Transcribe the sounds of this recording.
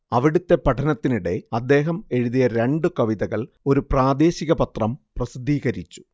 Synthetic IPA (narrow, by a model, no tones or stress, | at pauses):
ɐʋiɽut̪ːe̞pɐʈʰɐnɐt̪ːiniɽe̞ɐd̪ːe̞ːɦɐme̞ɻuðijɐɾe̞ɳɖɨkɐʋiðɐɣɐɭ | o̞ɾupraːd̪e̞ːɕiɣɐpɐt̪rɐmprɐsid̪ʱːiːɣɐɾit͡ɕːu̥